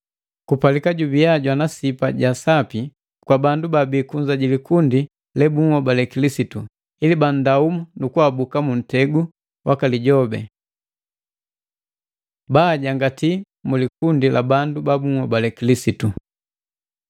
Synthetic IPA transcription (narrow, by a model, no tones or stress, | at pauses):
kupalikaɟubiaɟwanasipaɟasapi | kwabandubabikuɲzaɟilikundi | lɛbuŋɔbalɛkilisitu | iliban̩daumunukuabukamun̩tɛɡu | wʔakaliɟɔbɛ̰ | baɟaŋɡati | mulikundilabandubabuŋhɔbalɛkilisitu